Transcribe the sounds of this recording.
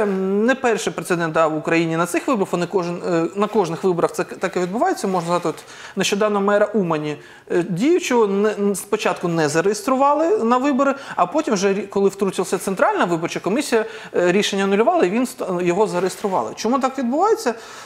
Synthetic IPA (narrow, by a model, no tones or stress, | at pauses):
nɛpɛrʃɪpɾet̪sɪd̪ɛnt̪d̪ɑʋʊkɾɐjinʲinɐt̪sɪxʋɪbɔɾɐxʋɔnɪkɔʒnnɐkɔʒnɪxʋɪbɔɾɐxtsɛkɛt̪ɑkɛʋʲid̪̚bʊʋɑjet͡sʲːɐmɔʒnzɐzɑt̪ɪɔt̪ | neʃt͡ʃɔd̪ɑnɔɦɔmɛɾɐʔumɐnʲi | dʲijʊt͡ʃɔnɛspɔt͡ʃɑt̪kʊnɛzɐɾejest̪ɾʊʋɑlˠɪnɐʋɪbɔɾɪɐpɔtʲimwʒɛikɔlˠɪwt̪ɾut͡ʃʲilˠɐsʲɐt̪sent̪ɾɑlʲnɐʋɪbɔrt͡ʃɐkɔmʲisʲijɐ | ɾʲiʃenʲːɐnʊlʲʊʋɑlˠɐiʋʲinsjɔɦɔzɐɾejest̪ɾʊʋɑ̰lˠɪ̰t͡ʃɔmut̪ɑkʋʲid̪bʊʋɑjet͡sʲːɐ